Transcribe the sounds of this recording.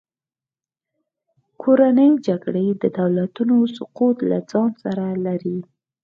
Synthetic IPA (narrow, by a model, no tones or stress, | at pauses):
kʰoɾanəjd͡ʒaɡɽəd̪əd̪awlat̪unosʊqut̪la̰d͡zɑnsaɾalaɾi